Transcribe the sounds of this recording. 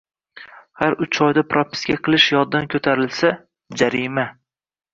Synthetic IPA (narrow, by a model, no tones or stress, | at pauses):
haɾʊt͡ʃʰɒjd̪apɾopʰɪ̥skʲaqʰɨlˠɪʃjɒd̪ːankʰɵt̪ʰaɾɪlsa | d͡ʒaɾɪma